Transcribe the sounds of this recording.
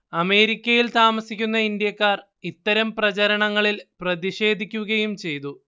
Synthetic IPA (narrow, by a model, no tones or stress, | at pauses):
ɐme̞ːɾikʲːɐjilt̪aːmɐsikʲːunːɐind̪jɐkːaːr | it̪ːɐɾɐmprɐt͡ɕɐɾɐɳɐŋːɐɭilprɐðiʂe̞ːd̪ʱikʲːuɣɐjumt͡ɕe̞jt̪u